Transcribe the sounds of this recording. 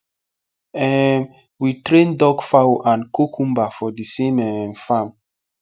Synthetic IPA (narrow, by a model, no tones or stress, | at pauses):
ɛm | witɾẽndɔɡfawoʔãnkokʰũmbafɔdisemɛmfam